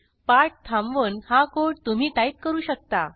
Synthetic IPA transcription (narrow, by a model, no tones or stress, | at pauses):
paʈ̚t̪ʰãmʋənhakoɽt̪um̤iːt̪ait̪̚kəɾuːɕək̚t̪a